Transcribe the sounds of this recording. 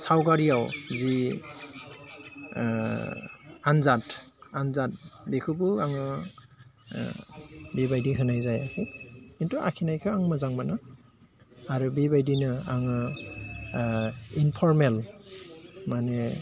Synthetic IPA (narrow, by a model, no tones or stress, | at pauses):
sawɡaɹijawzi | anzatanzat̚bekʰubuaŋɯ | bibajdiɦɯnajzajakʰikintuʔa̰kʰinajkʰɯaŋmɯzaŋmanɯ | aɾubibajdinɯaŋɯ | inpʰɔɹmel | manɛ